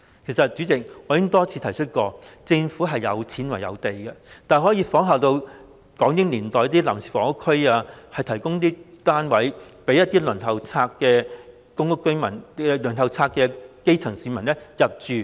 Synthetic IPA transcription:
kʰe˨˩jsɐ˨t̚t͡ʃyː˨˥t͡sɪ˨k̚ɔː˨˧jɪ˥ŋt̪ɔː˥t͡sʰi˧t̪ʰɐ˨˩jt͡ʃʰɵ˥t̚kɔː˧t͡sɪ˧ŋfuː˨˥ɦɐ˨jːɐ˨˧wt͡sʰiː˨˥nwɐ˨˩jɐ̰˨˧wt̪e˨jkɛ˧t̪aː˨˩ɦɔ˨˥jiː˧fɔː˨˥ŋɦaː˨wt̪o˧w | kɔː˨˥ŋjɪ˨˥ŋliː˨˩nt̪ɔː˨jɐ˥t̪i˥laː˨˩msʰi˨˩fɔː˨˩ŋkʊ˥kʰːɵ˥jaː˧hɐ˨jt̪ʰɐ˨˩jkʊ˥ŋt̪̬iː˥t̪aː˥nwɐ˨˥jpe˨˥jɐ˥t̪̚iː˥lɵ˨˩nhɐ˨wt͡sʰaː˧kːɛː˧ | kʊ˥ŋkʊ˥kːɵ˥jmɐ̰˨˩nɛ˧lɵ˨˩nɐ˨˩wt͡sʰaː˧k̚ːɛː˧ke˥jt͡sʰɐ˨˩ŋsiː˧mɐ˨˩nlɛ˥jɐ˨p̚t͡ʃyː˨

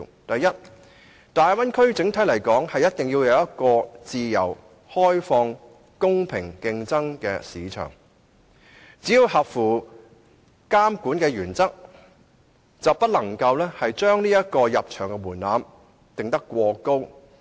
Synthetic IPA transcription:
t̪ɐ˨jːɐ˥t̚ | t̪aː˨jwɐ˥nkʰɵ˥ɥt͡sɪ˨˥ŋt̪ʰɐ˨˥jlɐ˨˩jkɔː˨˥ŋhɐ˨jɐ˥t̪̚ɪ˨ŋji˧wjɐ˨˧wjɐ˥t̚kɔː˧t͡siː˨jɐ̰˨˩w | hɔː˥jfɔː˧ŋ | kʊ˥ŋpʰɪ˨˩ŋkɪ˧ŋt͡sɐ˥ŋkɛ̰ː˧siː˨˧t͡ʃʰœ̰ː˨˩ŋ | t͡siː˨˥ji˧wɦɐ˨p̚fuː˨˩ | kaː˥mkuː˨˥nkɛː˧ɥyː˨˩nt͡sɐ˥k̚ | t͡sɐ˨wpɐ˥t̚lɐ˨˩ŋkɐ˧wlɛː˥hɐ˨jt͡ʃœː˥ŋniː˥jɐ˥t̚kɔː˧jɐ˨p̚t͡ʃʰœː˨˩ŋkɛ˧muː˨˩nlaː˨˧m | t̪ɪ˨ŋt̪ɐ˥kːʷɔː˧ko˥w

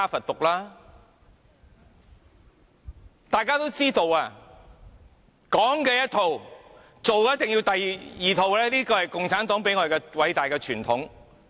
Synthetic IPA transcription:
aː˥fɐ˨t̚t̪ʊ˨k̚laː˥ | t̪aː˨jkaː˥t̪o˥wt͡siː˥t̪o˨waː˧ | kɔː˨˥ŋkɛː˧jɐ˥t̚t̪ʰo˨˧w | t͡so˨wkɛ˧˦jɐ˥t̪ɪ˨ŋjiː˧wt̪ɐ˨jjiː˨˩t̪ʰo˨wlɛː˥liː˥kɔː˧hɐ˨jkʊ˨ŋt͡sʰaː˨˥nt̪ɔː˨˥ŋp̬e˨˥jŋɔː˧de˨˩kɛ˧wɐ˨˧jt̪aː˨jkɛː˧t͡ʃʰyː˨˩nt̪ʰʊ˨˥ŋ

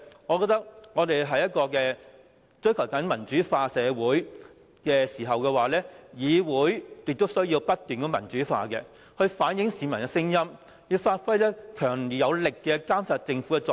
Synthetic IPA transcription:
ŋɔː˨˧kɔː˧t̪ɐ˥k̚ŋɔː˨˧t̪e˨jɦɐ˨jɐ˥t̚kɔː˧kɛː˧ | t͡ʃɥkʰɐ˨˩wkɐ˨˥nmɐ˨˩nt͡ʃyː˨˥faː˧sɛː˨˧wuː˨˥j | kɛː˧siː˨˩ɦɐ˨˩wkɛː˧waː˨˩lɛː˥jiː˨˧wuː˨˥jjɪ˨k̚t̪o˥wsɵ˥ɥjiː˧wpɐ˥t̚t̪ːyː˨nkɔː˨˥mɐ˨˩nt͡ʃyː˨˥fa̰ː˧kɛː˧ | hɵ˧ɥfaː˨˥njɪ˨˥ŋsiː˨˧mɐ˨˩nkɛ˧sɪ˥ŋjɐ˥m | jiː˨˧faː˧t̚fɐ˥jlɛː˥kʰœː˨˩ŋliː˨˩jɐ˨˧wlɪ˨kːɛː˧kaː˥msaː˧t̚t͡sɪ˧ŋfu˨˥kɛ˧t͡sɔː˨

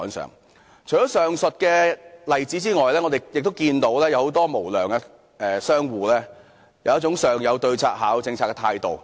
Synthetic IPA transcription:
ɔ˨˥nsœ̰ː˨˩ŋ | t͡ʃʰjɔː˨˥sœː˨ŋsɵ˨t̚kɛː˧lɐ˨jt͡siː˨˥t͡siː˥ŋɔː˨jlɛː˥ŋɔ˨˧t̪e˨jjɪ˨k̚t̪o˥wkiː˧nt̪o˨˥wlɛː˥jɐ˨˧who˨˥wt̪ɔː˥mo˨˩wlœː˨˩ŋɛ˧ | ɛː˨sœː˥ŋwuː˨lɛː˥ | jɐ˨˦wɐ˥t͡sʊ˨˥ŋsœː˨ŋjɐ˨˧wt̪ɵ˧ɥt͡sʰa̰ː˧˥t̚haː˨˥wt͡sɪ˧ŋt͡sʰaː˧t̚kɛ˧t̪ʰaː˧jt̪o˨w

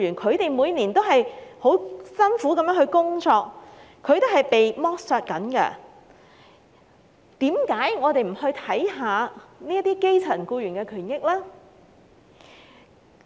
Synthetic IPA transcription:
yː˨˩nkʰɵ˨˧ɥt̪e˨jmuː˨˧jniː˨˩nt̪o˥ɦɐ˨jho˨˥wsɐ˥nfuː˨˥kɐ˨mjœː˨˥ŋhɵ˧kʊ˥ŋt͡sɔː˧k̚kʰːɵ˨˧ɥt̪o˥ɦɐ˨˩jpe˨jmɔː˥k̚sœː˧t̚kɐ˨˥nkɛ̰˧ | t̪iː˨˥mkaː˨˥jŋɔː˨˧t̪e˨jm̩˨˩hɵ˧ɥt̪ʰɐ˨˥jɦaː˨˧niː˥ɐ˥t̪iː˥ke˥jt͡sʰɐ˨˩nkuː˧ɥyː˨˩nkɛː˧kʰyː˨˩njɪ˥k̚lɛː˥

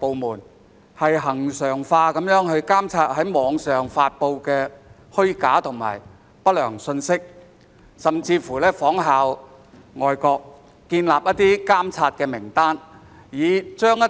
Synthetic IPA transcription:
po˨wmuː˨˩n | hɐ˨jɦɐ˨˩ŋsœː˨˩ŋfaː˧kɐ˨˥mjœː˨˥ŋɦɵ˧ɥkaː˥mt͡sʰaː˧t̚hɐ˨˥jmɔː˨˧ŋsœː˨ŋfaː˧t̚po˧wkɛː˧ | hɵ˥ɥkaː˨˥t̪ʰʊ˨˩ŋma̰ː˨˩j | pɐ˥t̚lœː˨˩ŋsɵ˧nsɪ˥k̚ | sɐ˨˩mt͡siː˧fuː˨˩lɛː˥fɔː˨˥ŋɦaː˨w | ŋɔː˨jkɔː˧k̚ː | iː˧nlaː˨p̚jɐ˥t̪̚iː˥kaː˥mt͡sʰaː˧t̚kɛː˧mɪ˨˩ŋt̪aː˥n | jiː˨˧t͡ʃœː˥ŋjɐ˥

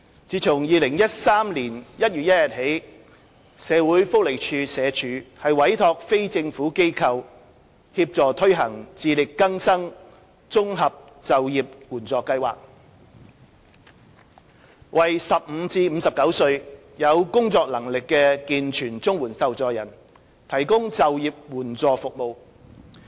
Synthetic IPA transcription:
t͡siː˨˧t͡sʰʊ˨˩ŋjiː˨lɪ˨˩ŋjɐ˥t̚saː˥mliː˨˩njɐ˥t̚jyː˨t̚jɐ˥t̚jɐ˨t̚he˨˥j | sɛː˨˧wuː˨˥jfʊ˥k̚le˨˩jt͡ʃʰyː˨˧sɛː˨˧t͡ʃʰyː˨˧hɐ˨jwɐ˨˥jt̪ʰɔː˧k̚fe˥jt͡sɪ˧ŋfuː˨˥ke˥jkʰɐ˧w | hiː˧p̚t͡sɔː˨˧t̪ʰɵ˥ɥɦɐ˨˩ŋt͡siː˨˧lɪ˨kːɐ˥ŋsɐ˥ŋ | t͡sʊ˥ŋɦɐ˨p̚ | t͡sɐ˨wjiː˨p̚wuː˨˩nt͡sɔː˨˧kːɐ˧jwa̰ː˨k̚ | wɐ˨˩jsɐ˨p̚m̩ː˨˧t͡siː˧m̩˨˧sɐ˨p̚kɐ˨˥wsɵ˧ɥ | jɐ˨˧wkʊ˥ŋt͡sɔː˧k̚lɐ˨˩ŋlɪ˨kːɛː˧kiː˨nt͡ʃʰyː˨˩nt͡sʊ˥ŋwuː˨˩nsɐ˨wt͡sɔː˨jɐ˨˩n | t̪ʰɐ˨˩jkʊ˥ŋt͡sɐ˨wjiː˨p̚wuː˨˩nt͡sɔː˨fʊ˨k̚mo˨w

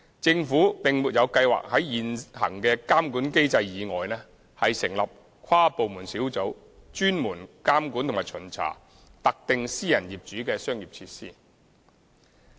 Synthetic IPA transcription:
t͡sɪ˧ŋfuː˨˥pɪ˨ŋmuː˨t̚jɐ˨˧wkɐ˧jwa̰ː˨k̚hɐ˨˥jjiː˨nhɐ̰˨˩ŋkɛː˧kaː˥mkuː˨˥nke˥jt͡sɐ˧jjiː˨˧ŋɔː˨jnɛː˥ | hɐ˨jsɪ˨˩ŋlɐ˨p̚ | kʰwaː˥po˨wmuː˨˩nsiː˨˥wt͡so˨˥w | t͡ʃyː˥nmuː˨˩nkaː˥mkuː˨˥nt̪ʰŋmaː˨˩jt͡ʃʰɵ˨˩nt͡sʰa̰ː˨˩ | t̪ɐ˨k̚t̪ɪ˨ŋsiː˥jɐ˨˩njiː˨˩p̚t͡ʃyː˨˥kɛː˧sœː˥ŋjiː˨p̚t͡sʰiː˧tsḭː˥˩

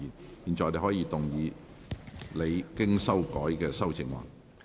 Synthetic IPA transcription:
iː˨npiː˨nt͡sɔː˨ɔː˧de˨˩hɔː˨˥jiː˨˧t̪ʊ˨˩ŋjiː˨˧ | le˨˧jkɪ˥ŋsɐ˥wkɔː˨˥jkɛː˧sɐ˥wt͡sɪ˨˩ŋwa̰ː˨˩n

